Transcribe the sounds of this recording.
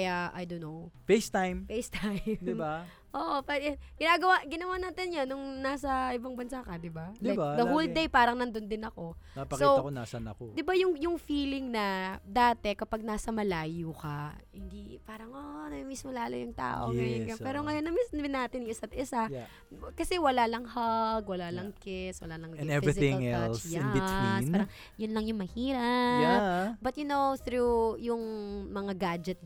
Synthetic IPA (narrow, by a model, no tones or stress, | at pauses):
jaʔajd̪onːofejst̪ajmfejst̪ajmd̪ɪba | ʔoʔpaɡ̥ɪnaːɡɐwaɡɪnɐwanaːt̪ɪnɲanʊŋnaːsɐʔɪbaŋbɐnsakɐd̪ɪbalajd̪ɐhuld̪ɛjpaːɾɐŋnɐnd̪ond̪ɪnɐko̞napɐksiowɐkona̰sɐnɐkod̪ɪbajʊŋjʊŋfiːlɪŋnɐd̪aːt̪ɛkɐpɐɡ̚naːsɐmɐlaːjukɐhɪnd̪ipaːɾɐŋʔonɐmismolaːlojʊŋt̪a̰ːʔo̰ajɛɡɐpɛːɾoŋɐjonːɐmɪsmɪnːaːt̪ɪniɪsɐt̪̚ʔɪsaj | kɐsɛwɐlalɐŋhɐɡ̚wɐlalɐŋkɛswɐlalɐŋ̃nɛvisɪɪ̃ŋɛlsjɪ̃niinpaɾɐŋ | jʊnlɐŋjʊŋmɐhiːɾɐjabɐt̪̚jʊnowθɾujʊŋmɐŋaɡad͡ʒɛt̪̚